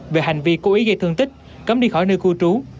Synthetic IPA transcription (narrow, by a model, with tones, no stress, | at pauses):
ve˨˩ha˨˩jŋ̟vi˧ko˧˥ʔi˨˦ɣə˧t̪ɨ˧əŋt̪ï˦˥k̟̚ | kə˨˦m̚ɗi˧xɔ˧˩jnɨ˧ku˧t͡ɕu˨˦